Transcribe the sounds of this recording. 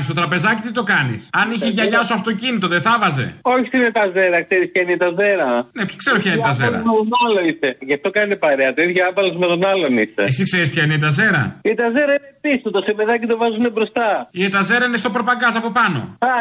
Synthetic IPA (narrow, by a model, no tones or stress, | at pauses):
st̪ot̪ɾɐpe̞zɐcit̪it̪o̞kɐnḭsɐniçeʝɐʝɐsuɐft̪o̞cinit̪o̞ðeθɐvɐze̞̰oçi̥st̪inet̪ɐzeɾɐkseɾispçɐineit̪ɐzeɾɐne̞pçkse̞ɾopçɐinit̪ɐzeɾɐɐ̰et̪onɐloiseʝɐft̪o̞kɐnɐt̪epɐɾeɐt̪oiðʝɐɐvɐlozmet̪o̞nɐlo̞nise̞̰esikse̞ɾispçɐineit̪ɐze̞ɾɐ̰it̪ɐzeɾɐinepist̪ot̪osemeðɐcit̪ovɐzunebɾo̞st̪ɐiet̪ɐze̞ɾɐinest̪o̞pɾopɐɡɐsɐpo̞pɐno̞̰ɐ